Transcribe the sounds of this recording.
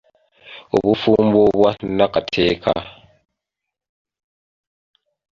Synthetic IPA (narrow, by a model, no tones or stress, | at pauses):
ṵβufumboβwanakatʰeːkʰa̰